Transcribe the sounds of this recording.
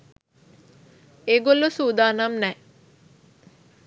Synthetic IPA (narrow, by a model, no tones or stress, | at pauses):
eːɡolusuːd̪aːnamnɛ